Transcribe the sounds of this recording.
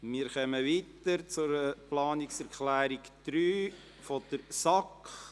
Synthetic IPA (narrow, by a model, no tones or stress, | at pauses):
miːɾχœməʋiːt̪əɾt͡sʊɾplɑːnɪksɛɾkχlæːɾiɡd̪̥ɾyː | fɔd̪̥əɾsɑkχ